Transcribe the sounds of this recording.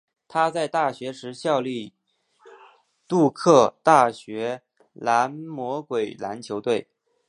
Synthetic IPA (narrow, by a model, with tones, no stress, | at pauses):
t̪ʰa˥t͡sa˥˧ɪt̪a˥˩ɕɥɛ˧˥ʂɻ̩˧˥ɕjɑ˥˧ʊli˥˧ | t̪u˥˧kʰɤ˥˧t̪a˥˩ɕɥɛ˧˥ | la˧˥nmwɔ˧˥kwe˨˩ɪla̰˧˥nt͡ɕʰjo˧˥ʊt̪we˥˩ɪ